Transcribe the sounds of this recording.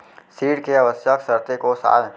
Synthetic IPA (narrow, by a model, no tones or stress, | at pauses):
siːɽkeɐʋəsjəksəɾt̪ekosa̰ːl